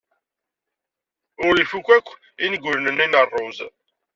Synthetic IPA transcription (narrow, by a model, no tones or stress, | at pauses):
ʊɾifukʷːækʷː | inɡʷʊɾnənːinərˤːoz